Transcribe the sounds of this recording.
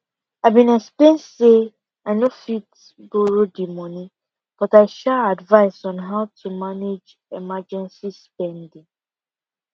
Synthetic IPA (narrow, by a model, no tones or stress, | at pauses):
aɪbĩnɛksplẽnse | aɪnofit | boɹodimɔnĩ | b̥ɔtaɪʃɛadvaɪsɔ̃nɦaʊtʰumaned͡ʒ | emad͡ʒɛ̃nsispɛ̃ndĩŋ